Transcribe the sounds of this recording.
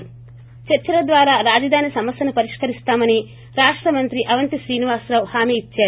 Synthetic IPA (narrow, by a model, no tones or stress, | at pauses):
t͡ʃɐɾt͡ʃɐɾɐd̪ʋaːɾaːɾaːd͡ʒɐd̪ʱaːnisɐmɐsjɐnupɐɾiʂkɐɾist̪aːmɐni | ɾaːʂʈɾɐmɐnt̪ɾiʔɐʋɐnt̪iʃɾiːniʋaːsɾɐʋhaːmiːit͡ʃːaːɾu